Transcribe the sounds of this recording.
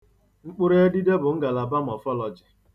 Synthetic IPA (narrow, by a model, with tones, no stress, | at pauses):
ŋ͡m̩˦k͡pʊ˦ɾe˦e˦di˦de˦bʊ˨ŋ̩˦ɡa˨la˨ba˦m̩˨ɔ˨fɔ˦lɔ˨d͡ʒɪ˨